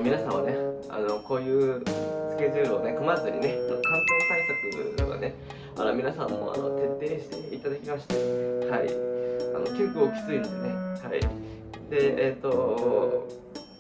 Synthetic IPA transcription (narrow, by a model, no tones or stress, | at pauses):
mʲinasãɰ̃βane̞ | a̰no̞ko̞ːjɯ̟ːsɨ̥kʲe̞ʑɯːɾɯo̞ne̞komazɨɲ̟ine̞ot̪ːokãŋkeːsaɾet̪at̪ojɯoɡa̰ne̞ | a̰ɾamʲinasãmːo̞̰a̰no̞t̪e̞t̪ːe̞ːɕi̥t̪e̞it̪ad̪akʲimaɕi̥t̪ehaḭa̰no̞kʲikɯo̞kʲi̥t͡sɨinod̪ene̞haḭ | d̪e̞ːt̪ːo̞